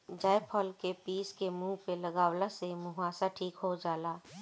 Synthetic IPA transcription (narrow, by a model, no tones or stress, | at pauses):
d͡ʒaːjpʰəlkepiːskemũːpeləɡaːwlasemuɦaːsaʈʰiːkɦod͡ʒaːlaː